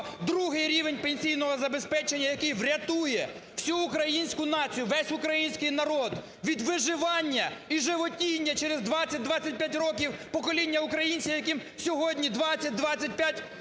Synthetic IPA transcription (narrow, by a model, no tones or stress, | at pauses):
d̪ɾuɦɪjɾʲiʋenʲpenʲsʲijnɔɦɔzɐbespɛt͡ʃenʲːɐjɐkɪjʋɾʲɐt̪ujɛ | w̥sʲuːkɾɐjinʲsʲkʊnɑt͡sʲijʊʋɛsʲʊkɾɐjinʲsʲkɪjnɐɾɔd̪ | ʋʲid̪ʋɪʒɪʋɑnʲːɐiʒɪʋɔtʲijnʲːɐt͡ʃɛɾezd̪ʋɑt͡sʲːɐt̚ʲd̪ʋɑt͡sʲːɐt̚ʲpʲjatʲɾɔk̬ʲiwpɔkɔlʲinʲːɐʊkɾɐjinʲt͡sʲijɐkim | sʲɔɦɔdʲnʲid̪ʋɑt͡sʲːɐt̚ʲd̪ʋɑt͡sʲːɐt̚ʲpʲjatʲ